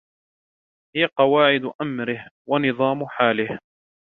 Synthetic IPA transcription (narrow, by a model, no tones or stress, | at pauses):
hɪjaqɑwaːʕɪd̪ʔamɾɪhwanɨðˤɑːmħaːlɪh